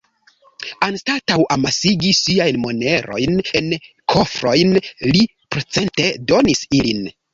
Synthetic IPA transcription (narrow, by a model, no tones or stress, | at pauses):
anstatawʔamasiɡisiajnmo̞ne̞ɾo̞̰jnen | kʰo̞fɾo̞jnli | pɾe̞t͡se̞nte̞do̞nisilin